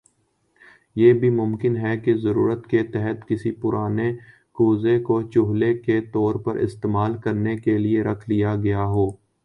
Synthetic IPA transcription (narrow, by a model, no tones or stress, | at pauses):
jeːbʱimʊ̃mkɪnɦɛkezɐɾṵːɾət̪ket̪ɛɦət̪kɪsipʊɾʔaːne | kuːzekot͡ʃʊɦleket̪ɔːɾpɐɾɪ̰st̪eːmaːlkɐɾnekelieɾɐkʰlijaɡɐjaɦoː